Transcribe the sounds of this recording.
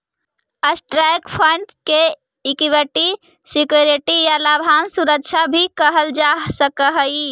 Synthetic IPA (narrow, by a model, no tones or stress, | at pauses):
əsʈɾajkpʰəɳɖke | ikiweʈi | sikjoɾeʈijalabʱansuɾəkt͡ʃʰabʱikəɦəld͡ʒasəkəɦəi